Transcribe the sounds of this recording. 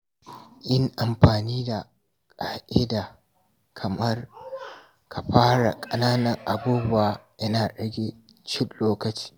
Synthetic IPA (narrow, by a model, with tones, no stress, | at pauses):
ʔɪ˦ŋʔa˨mɸaː˨niː˦da˨ | kʼaː˨ʔɪ˦da˨ | kʰɐ˨mɐ˦r | kʰa˨ɸaː˦ɽa̰˨kʼɐ˨˦naː˦nɐ˨ŋʔa˨buː˦bʊ˦waː˨jɐ˦naː˨ɗɐ˨ɡʲeː˦ | t͡ʃɪ˦nloː˦kɐ˨t͡ʃi̥ː˦